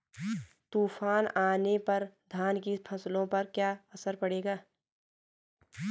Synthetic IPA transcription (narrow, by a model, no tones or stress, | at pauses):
t̪uːfʰaːnaːnepɐɾd̪ʱaːnkipʰɐslõpɐɾkjaːəsəɾpɐɽeːɡaː